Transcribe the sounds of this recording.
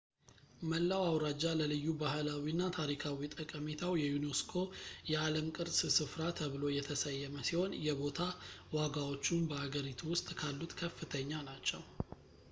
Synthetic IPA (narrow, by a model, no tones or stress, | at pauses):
məlːawawɾad͡ʒaləlɨjːubahɨlawinːat̪ʰaɾikʰawit̪ʼəkʼəmet̪ʰawjɛjunoskʰo̞jɛaləmkʼɨɾssɨfɾat̪ʰəβɨlo̞jɛt̪ʰəsəjːɛməsiho̞njɛbo̞t̪ʰawaɡawo̞t͡ʃːunbəhaɡəɾit̪ʰuwʊst̪ʼkʰalːut̪kʰəfːɨt̪ʰəɲːanat͡ʃːɛw